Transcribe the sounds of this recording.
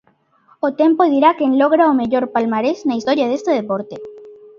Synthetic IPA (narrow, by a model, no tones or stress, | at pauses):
ot̪e̞mpoðiɾakenlo̞ɣɾaome̞ʝo̞ɾpalmaɾesnaist̪o̞ɾjaðe̞st̪eðepoɾt̪e